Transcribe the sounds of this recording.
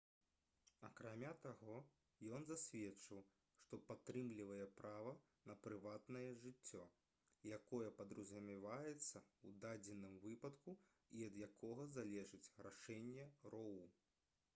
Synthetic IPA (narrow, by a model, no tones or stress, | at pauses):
akɾamʲat̪aɣɔ | jɔnzasʲvʲɛt͡ʂɨw | ʂt̪ɔpat̪ːɾɨmlʲivɐjɛpɾavɐ | nɐpɾɨvat̪nɐjɛʐɨt͡sʲːɔ | jakɔjɛpɐd̪ɾuzʲɐmʲivajɛt̪sːɐud̪ad͡zʲɛnɨmvɨpɐt̪ku | iɐd̪jakʰɔɣɐzalʲɛʐɨt͡sʲraʂɛnʲːɛrɔwu